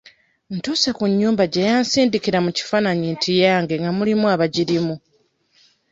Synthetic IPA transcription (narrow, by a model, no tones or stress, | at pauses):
ntusakuɲːuːmbaɟejaːnsiːndikiɾamuci̥faːnaɲintʰijaːŋɡe̞ŋɡamulimuaβaɟiɾimu